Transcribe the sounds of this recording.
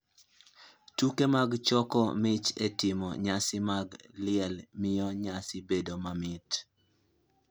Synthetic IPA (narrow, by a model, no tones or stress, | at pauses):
tukemaɡt͡ʃɔkɔ̰mɪt͡ʃetɪmɔ̰ɲasɪmaɡlɪɛlmɪjɔɲasɪbedomamɪt